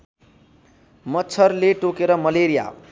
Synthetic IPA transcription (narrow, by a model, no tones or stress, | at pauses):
mʌt͡sʰʌrleʈokeɾʌmʌleɾija̰